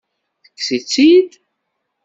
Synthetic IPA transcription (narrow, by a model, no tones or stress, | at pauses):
θə̥kːsit͡sːid̪